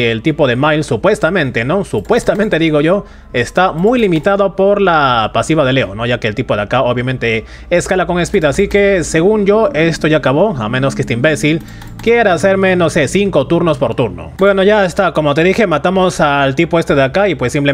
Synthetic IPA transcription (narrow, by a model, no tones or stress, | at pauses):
elt̪ipo̞ðe̞majlsupwe̞st̪amẽ̞nt̪e̞no̞supwe̞st̪ament̪e̞ðiɣo̞ʝo̞ | e̞st̪amujlimit̪aðopo̞ɾlapasiβaðe̞le̞o̞no̞ʝakeelt̪ipo̞ðeakaoβjamẽ̞nt̪e̞ | eskalako̞ŋespiðaːsikese̞ɣunʝo̞e̞st̪o̞ʝakaβo̞amẽno̞skeest̪eimbe̞sil | kjeɾaase̞ɾmeno̞se̞siŋko̞t̪uɾno̞spo̞ɾt̪uɾno̰bwe̞no̞ʝaest̪ako̞mo̞t̪e̞ðixe̞mat̪amosalt̪ipo̞est̪e̞ðeakaipwesːimple